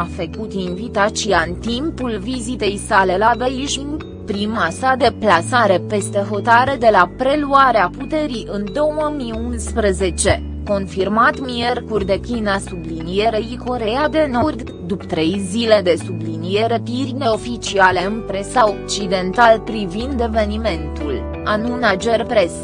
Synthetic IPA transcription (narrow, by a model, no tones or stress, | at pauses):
afəkut̪invit̪at͡ʃiaɨnt̪impulvizit̪e̞jsale̞labeʒin | pɾimasad̪e̞plasaɾe̞pe̞st̪e̞ɦo̞t̪aɾed̪e̞lapɾe̞luaɾeaput̪e̞ɾiʔɨnd̪o̞wəmiunspɾəze̞t͡ʃe̞ | ko̞nfirmat̪mierkurʲd̪e̞kinasublinijeɾeiko̞ɾe̞jad̪e̞nord̪ | d̪upt̪ɾe̞jzile̞d̪e̞sublinije̞ɾe̞pirʲne̞o̞fit͡ʃiale̞ɨnpɾe̞saok̚t͡ʃid̪e̞nt̪alpɾivind̪e̞ve̞nime̞nt̪ul | anunad͡ʒe̞rpɾe̞s